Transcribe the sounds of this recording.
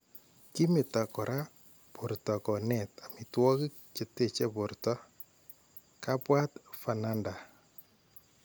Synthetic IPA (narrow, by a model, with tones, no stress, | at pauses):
ki˦mɪ˨ta˨kɔ˨ɾʔa˦ | po˨ɾtɔ˨kɔ˨nɛ˨ta˨mɪ˨twɔ˦kɪ˦kt͡ʃe˨te˦t͡ʃɛ˦po˨ɾtɔ˦ | ka˦pwa˦tfa˨na˦nda˨